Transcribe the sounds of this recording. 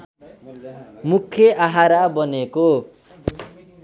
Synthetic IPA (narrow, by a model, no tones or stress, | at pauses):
mukʰːjeʔaɦaɾabʌneko